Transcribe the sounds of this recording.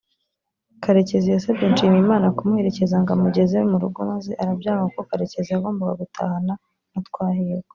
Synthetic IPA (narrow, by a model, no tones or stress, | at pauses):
kaɾe̞ce̞zijasabɟenʃiːmimaːnakumuhe̞ɾece̞zaŋɡamuɟe̞zemuɾuɡomazeʔaɾabjaːŋakokaɾe̞ce̞ziaɡoːmbaɡaɡutʰa̰hana | natkwaːhiewo